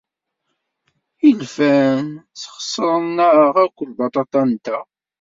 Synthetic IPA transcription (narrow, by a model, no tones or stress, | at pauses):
ilfænt͡sχə̥sˤːəɾˤənnːəʁæɾkʷːəlbɑt̪ˤɑt̪ˤɑnt̪æ